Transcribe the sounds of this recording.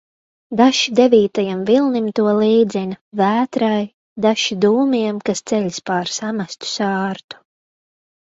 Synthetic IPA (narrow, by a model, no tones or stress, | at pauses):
d̪aʃid̪ɛviːt̪ajamvilˠnimt̪uɔliːd̪zinʲavæːt̪ɾaj | d̪aʃid̪uːmiɛmkast̪sɛʎʲspaːɾsamast̪u̥sɑːɾt̪u̥